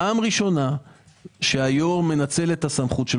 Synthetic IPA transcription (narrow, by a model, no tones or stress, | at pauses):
aːmʁiʃo̞na | ʃeajo̞ʁme̞nat͡se̞le̞t̪asamχutʃe